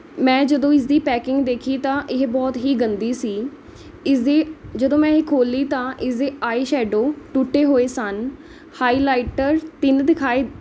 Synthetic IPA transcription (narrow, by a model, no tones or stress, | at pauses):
mɛ̃ːd͡ʒəd̪õːɪs̬d̪iːpɛːkɪ̃ŋɡd̪eːkʰiːt̪ãːʔɪɦbɔːt̪ɦiːɡənd̪iːsiː | ɪsd̪eːd͡ʒəd̪õːmɛ̃ːkʰoːlːiːt̪ãːʔɪsd̪eːaːeːʃɛːɖoːʈuʈːeːɦoːeːsən | haːiːlaːɪʈəɾt̪ɪnd̪ɪkʰaːeː